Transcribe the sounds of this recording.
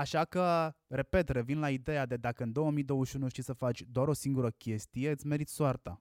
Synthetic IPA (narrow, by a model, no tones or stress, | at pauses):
aʃakəre̞pe̞t̪re̞vinlaid̪e̞jad̪e̞d̪akəɨnd̪o̞wəmijd̪o̞wəʃʲunuʃt̪isəfat͡ʃʲd̪oaɾo̞siŋɡuɾəkʲe̞st̪ije̞ɨt̪sʲme̞ɾit̪soart̪a̰